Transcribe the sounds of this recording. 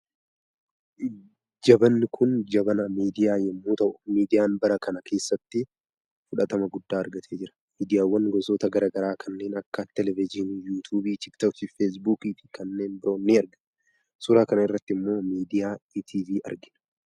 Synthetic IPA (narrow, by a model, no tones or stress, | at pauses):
d͡ʒɐbɐnːɪkʰʊnd͡ʒɐbɐnɐmiːd̪ɪjaːjɛmːuːt̪ɐʔʊ̥miːd̪ɪjaːnbɐɾɐkɐnɐkʰe̞ːsːɐt̪ːɪ | fʊᶑɐt̪ɐmɐɡʊd̪ːaːɐɾɡɐt̪ʰeːd͡ʒɪɾɐ̥ | miːd̪ɪjaːwːɐnɡɔsoːt̪ɐɡɐɾaːɡɐɾaːkʰɐnːe̞ːnɐkːɐt̪ːɛlɛvɪd͡ʒɪnjuːt̪ʰuːbiːt̪ɪkt̪ɐktɪfeːs̬buːkiːfɪ̥kɐnːeːnbɪɾo̞ːnːiɐɾɡɐn | sʊɾaːkɐnɐɪrːɐt̪ːɪmːo̞ːmiːd̪ɪjaːit̪ʰiːviːʔɐ̰ɾɡɪn